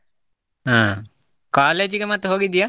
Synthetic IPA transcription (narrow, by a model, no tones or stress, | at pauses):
ɦã | kaled͡ʒikemat̪ːeɦoːɡid̪ija